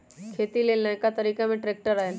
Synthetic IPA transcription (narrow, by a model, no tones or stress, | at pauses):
kʰet̪ilelnakat̪əɾiːkamẽʈɾek̚ʈəɾaɦen